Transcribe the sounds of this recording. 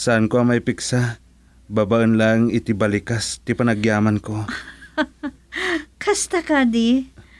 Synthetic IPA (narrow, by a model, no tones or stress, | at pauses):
saʔankoʔɐŋmajpɪksa | babaʔənlaŋɪt̪ɪbɐlɪkast̪ɪpɐnɐɡjaːmɐnko̞ | kʰɐst̪ɐkad̪i